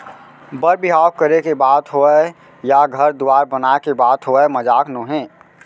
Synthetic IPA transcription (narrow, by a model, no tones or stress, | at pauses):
bəɾbiɦaːkkəɾekebaːt̪ɦoɛ | jaɡʱəɾd̪ʊwaːɾbənaekebaːt̪ɦoɛməd͡ʒaːknõːɦɛ̃ː